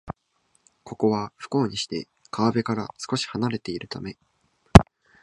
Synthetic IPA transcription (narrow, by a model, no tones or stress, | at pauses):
kʰo̞ko̞βaɸɯ̟̥ko̞ːɲ̟iɕi̥t̪e̞̰ | kʰaβabe̞kaɾasɨ̥ko̞ɕi̥hanaɾe̞t̪e̞iɾɯ̟t̪ame̞